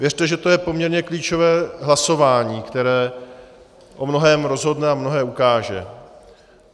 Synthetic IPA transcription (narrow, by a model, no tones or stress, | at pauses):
vjɛrt̪ɛʒɛt̪o̞jɛpo̞mɲɛɾɲɛkliːt͡ʃo̞vɛːɦlaso̞vaːɲiːkt̪ɛɾɛː | ʔo̞mno̞ɦɛːmɾo̞zɦo̞dnɛamno̞ɦɛːukaːʒɛ̰